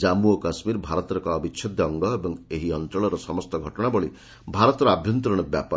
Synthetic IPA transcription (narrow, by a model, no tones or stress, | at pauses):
d͡ʒamuɔkasmiɾbʱaɾɔt̪ɔɾɔkɔːbit͡ʃːt͡ʃʰɔd̪ʱjɔːŋɡɔebɔŋeɦiɔnt̪ɾɔɭɔɾɔsɔmɔst̪ɔɡʱɔʈɔɽ̃abɔɭi | bʱaɾɔt̪ɔɾɔabʱjɔnt̪ɾɔɽ̃ɔbja̰pa